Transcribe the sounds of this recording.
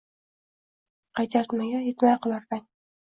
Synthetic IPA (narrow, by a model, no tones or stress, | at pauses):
qʰɑjt̪ʰaɾt̪maɡʲajet̪majqʰɨlˠaɾdaŋ